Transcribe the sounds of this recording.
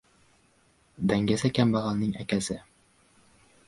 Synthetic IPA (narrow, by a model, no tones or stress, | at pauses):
d̪æŋɡæsækʲæmbɑʁɑnnɘŋʔækʲæsɘ